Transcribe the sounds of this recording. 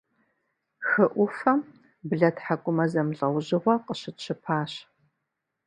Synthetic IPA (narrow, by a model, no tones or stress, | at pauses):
xɨʔʷʊfɐm | bɮɐtħakʷʼʊmɐzɐmɮʼɐwʑɪʁʷɔqəɕɪtɕʰɨpʰaːɕ